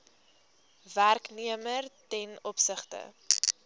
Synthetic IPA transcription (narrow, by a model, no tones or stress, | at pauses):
værkniəmərtɛnɔpsəχtə̰